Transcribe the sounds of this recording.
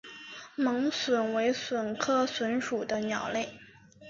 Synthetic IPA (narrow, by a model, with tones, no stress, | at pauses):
mɤ˧˥ŋswə˨˩nwe˧˥ɪswə˨˩nkʰɤ˥˩swə˧˥nʂu˨˩d̪ə˦njɑ˨˩ʊle˥˩ɪ